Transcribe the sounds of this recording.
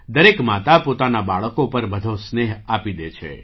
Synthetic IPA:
d̪əɾekmat̪apot̪anabaɭəkopəɾbəd̪ʱõsneɦapid̪et͡ʃʰḛ

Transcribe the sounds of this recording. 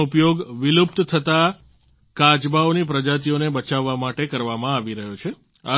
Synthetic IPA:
upjoɡʋilup̚t̪t̪ʰət̪a | kad͡ʒbaonipɾəd͡ʒat̪̬ionebət͡ʃaʋːamaʈekəɾʋamãaʋiɾəɦot͡ʃʰe | a

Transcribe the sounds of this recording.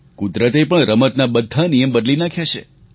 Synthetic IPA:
kud̪ɾət̪epəɳɾəmət̪nabəd̪ʱːanijəmbəd̪linakʰjat͡ʃʰḛ

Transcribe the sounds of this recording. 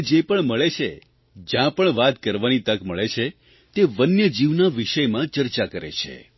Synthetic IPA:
d͡ʒepəɳməɭet͡ʃʰe | d͡ʒjãpəɳʋat̪kəɾʋanit̪əkməɭet͡ʃʰe | t̪eʋənjəd͡ʒiʋnaʋiʃəjmãt͡ʃəɾt͡ʃakəɾḛt͡ʃʰḛ

